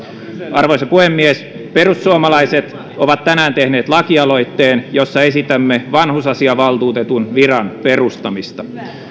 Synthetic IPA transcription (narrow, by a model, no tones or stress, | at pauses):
ʔɑrʋoisɑpuhemːies | perusːuomɑlɑiset̪ | oʋɑt̪t̪ːænæːnt̪ehneːt̪lɑkiɑlo̞it̪ːeːnjosːɑesit̪æmːeʋɑnhusɑsiɑʋɑlt̪uːt̪et̪unʋirɑnperust̪ɑmist̪ɑ